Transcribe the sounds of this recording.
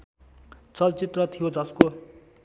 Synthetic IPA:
t͡sʌlt͡sit̪rʌt̪ʰijod͡zʌsko

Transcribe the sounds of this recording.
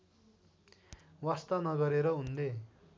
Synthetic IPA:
wast̪ʌnʌɡʌɾeɾʌɦund̪e

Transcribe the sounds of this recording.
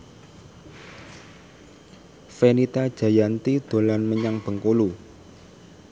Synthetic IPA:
fenit̪ad̥ʒ̥ä̤jant̪id̪̥o̤lanməɲaŋb̥ə̤ŋkolu

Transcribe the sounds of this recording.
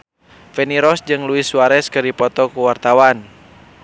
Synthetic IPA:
fɛniɾɔsd͡ʒɨŋluisuaɾɛskɨrdipɔt̪ɔkuwart̪awan

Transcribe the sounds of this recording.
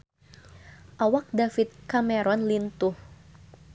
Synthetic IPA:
ʔawak̚dafit̪̚kamɛɾɔnlint̪ʊh

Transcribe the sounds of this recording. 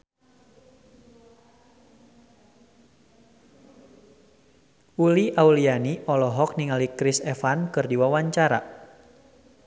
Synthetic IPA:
uliʔaulianiɔlɔɦɔk̚niŋalikɾisɛfankɨrdiwawaɲt͡ʃaɾa̰

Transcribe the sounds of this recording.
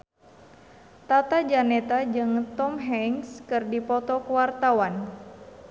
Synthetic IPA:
t̪at̪ad͡ʒanɛt̪ad͡ʒɨŋt̪ɔmɦɛŋskɨrdipɔt̪ɔkəwart̪awan

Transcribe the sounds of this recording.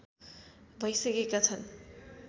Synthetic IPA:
bʱʌjsʌkekat͡sʰʌn

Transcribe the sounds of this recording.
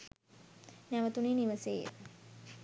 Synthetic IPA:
næʋət̪uneːniʋəsḛː

